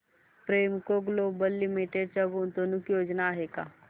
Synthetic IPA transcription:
pɾeːmkoɡloːbəlːɪmiʈeɖ̚t͡ʃɐɡont̪onʊkjoːd͡ʒnaːɦeːka̰ː

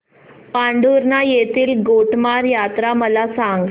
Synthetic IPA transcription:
paɳɖuɾnajet̪iːlɡoʈmaɾjat̪ɾaməlasãŋɡ

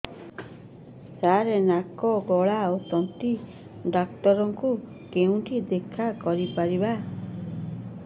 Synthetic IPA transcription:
saɾenakɔɡɔɭaot̪ɔnʈi | ɖak̚ʈɔɾɔŋku | keũʈid̪ekʰakɔɾipaɾiba

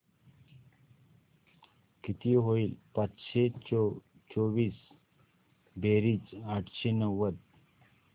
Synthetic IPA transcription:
kit̪iɦoiːlpat͡sɕe | t͡soʋiːs | beɾiːt͡saʈʰɕenəʋəd̪

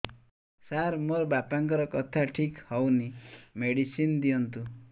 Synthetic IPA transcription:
saɾmoɾbapaŋkɔɾɔkɔt̪ʰaʈʰikhɔwnimeɽisind̪iɔnt̪u

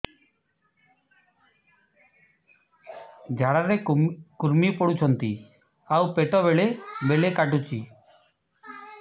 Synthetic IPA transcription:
d͡ʒʱaɽaɾekuɾmipɔɽut͡ʃʰɔnt̪ḭ | awpeʈɔbeɭebeɭekaʈ̬ut͡ʃʰi

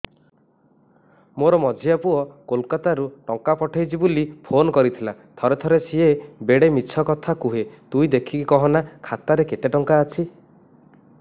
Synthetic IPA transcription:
moɾɔmɔd͡ʒʱiapuɔkolkat̪aɾuʈɔŋkapɔʈʰajt͡ʃʰibulipʰonɔkɔɾit̪ʰilat̪ʰɔɾet̪ʰɔɾesiebeɽemit͡ʃʰɔkɔt̪ʰakuɦet̪ujd̪ekʰikikɔɦɔnakʰat̪aɾeket̪eʈɔŋkaːt͡ʃʰi

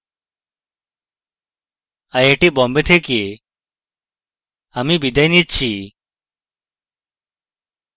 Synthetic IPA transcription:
ɐjeːʈiːbɔ̃ːmbet̪ʰeke | ɐmibid̪ɐjnit̪t͡ɕʰi

